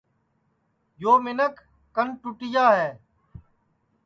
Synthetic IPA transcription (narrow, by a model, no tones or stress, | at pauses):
joːmɪnək | kənʈʊʈɪjaːɦɛː